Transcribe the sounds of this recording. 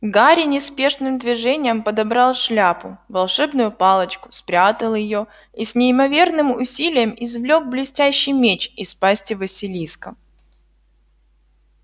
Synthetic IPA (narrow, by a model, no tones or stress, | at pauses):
ɡaɾʲɪnʲɪspʲe̞ʂnɨmd̪vʲɪʐɛnʲɪjəmpəd̪ɐbɾɑlˠʂlʲapʊvɐlˠʂɛbnʊjʊpɑlˠət͡ɕkʊ̥spɾʲat̪əlˠjɪjo | isʲnʲɪɪmɐvʲe̞rnɨmʊsʲilʲɪjəmɪzvlʲo̞ɡ̚blʲɪsʲtʲæɕːɪjmʲet͡ɕɪspasʲtʲɪvəsʲɪlʲiskə